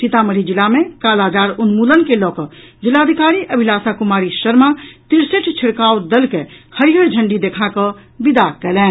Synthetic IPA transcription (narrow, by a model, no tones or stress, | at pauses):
sit̪aməɾ̤id͡ʒilamẽkaːlad͡ʒaːɾunmulənkelɔːkɔd͡ʒilad̪ʱikaːɾiʔəbʱilaːsakumaːɾiʃəɾmat̪iɾseʈʰt͡ʃʰiɽkaːwd̪əlkɛhəɾiɦəɾd͡ʒʱəɳɖid̪eːkʰakəbid̪akɛːlɛ̃ː